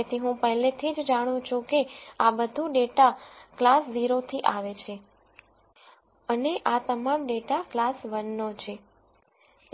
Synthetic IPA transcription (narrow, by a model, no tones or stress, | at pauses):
et̪ʰiɦũpəɦlet̪ʰid͡ʒd͡ʒaɽ̃ũt͡ʃʰũkeabəd̪ʱũɖeʈaklasziɾot̪ʰiʔaʋet͡ʃʰe | əneʔat̪əmamɖeʈaklasʋənːot͡ʃʰe